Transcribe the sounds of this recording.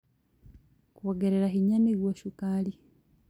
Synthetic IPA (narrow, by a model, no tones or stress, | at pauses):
kuoɡeɾeɾaɦiɲamiɡwoʃukali